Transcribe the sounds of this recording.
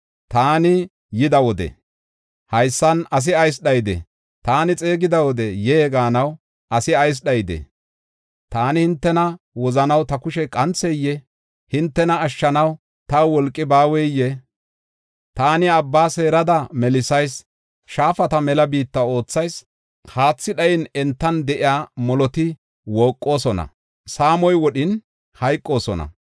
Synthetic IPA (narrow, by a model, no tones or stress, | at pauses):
t̪aːnɪ | jɪd̪ɐwɔd̪ɛ̰ | hɐjsːɐnɐs̬ɪɐjs̬ɗɐjd̪ɛ̰ | t̪aːnɪt͡sʼe̞ːɡɪd̪ɐwɔd̪ɛjeːɡaːnɐw | ʔɐsɪɐjs̬ɗɐjd̪ḛ | t̪aːnɪhɪnt̪ːɛnɐ | wɔzɐnɐwt̪ɐkʊʃɛkʼɐnt͡sːɛjːɛ | hɪnt̪ːɛnɐːʃːɐnɐw | t̪ɐwɔlkʼːɪbaːwɛjːɛ | t̪aːnɪɐbːaːse̞ːɾɐd̪ɐmɛlɪsɐjs | ʃaːfɐt̪ɐmɛlɐbiːt̪ːɐo̞ːt͡sːɐjs | haːt͡sːɪɗɐjɪnɛnt̪ːɐnd̪ɛʔɪjaːmɔlɔt̪ɪ | woːkʼːo̞ːsɔnɐ̰ | saːmɔjwɔɗɪn | hɐjkʼːo̞ːsɔnɐ̰